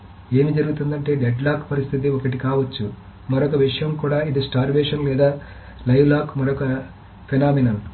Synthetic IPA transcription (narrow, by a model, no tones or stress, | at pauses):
e̞ːmid͡ʒɐɾuɡut̪und̪ɐɳʈe̞ːɖeɖlaːkpɐɾist̪ʰit̪̬iɔkɐʈ̬ikaːʋɐt͡ʃːu | mɐɾɔkɐʋiʂɐjɐmkuːɽaːid̪isʈaːɾʋɛːʂɐnlɛːd̪aː | lɐjʋlaːkmɐɾɔkɐ | pʰinaːminɐm